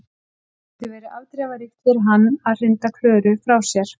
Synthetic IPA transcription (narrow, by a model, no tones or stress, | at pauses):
θʏvɛːɾʏʔa̰ːwt̪ɾɛːvaɾixt̪ʏɾɦanːaðr̥ɪnt̪akʰlœːɾʏfɾawsjɛɾ̥